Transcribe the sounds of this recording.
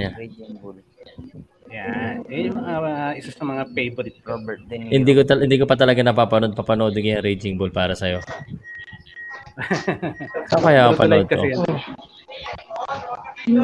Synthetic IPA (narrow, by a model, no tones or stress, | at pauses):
ɲa | jaɛjʊŋmɐŋaʔɪsɐsɐmɐŋapejbol | hɪnd̪iːkoɐhɪnd̪iːkopɐt̪ɐlɐɡanɐpaːpɐnod̪̚pɐpɐnod̪ŋɡɪjɐɾejd͡ʒɪŋbolpaːɾɐsɐjo̞ | sakɐjaːkɐpɐnʔd̪̚kɐʔɪjɐn